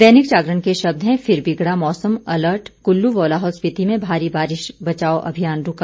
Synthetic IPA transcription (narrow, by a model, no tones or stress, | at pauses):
d̪ɛːnɪkt͡ʃaːɡɾənkeʃɐb̚d̪ɦɛ̃fɪɾbɪɡɽamɔːsəmɐləɾʈkʊlːuʋɔːlaːɦɔːlspɪt̪imẽbʱaːɾibaːɾɪʃbɐt͡ʃaːoʔɐ̰bʱijaːnɾʊka